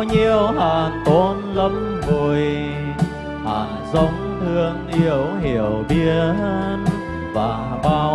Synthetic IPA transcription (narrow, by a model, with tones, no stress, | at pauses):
ɲi˧əwɦaː˨˩nt̪o˧˦nlə˧˦m | vu˨˩əj | haː˨˩nzə˨˦wŋ͡mt̪ʰɨ˧əŋʔi˧˦əwɦi˧˩əwɓi˧˥ən | vaː˨˩ | ɓaː˧